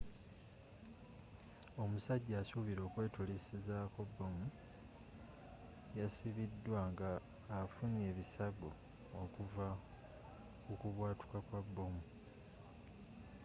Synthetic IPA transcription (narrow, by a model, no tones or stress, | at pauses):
o̞musaɟːaːsuβiɾo̞ːkwe̞ːtulisizakobːo̞mu | jasiβidːwaŋɡaː | fune̞ːβisaɡo | okuva | ukuβwaːtu̥kakwabːo̞mu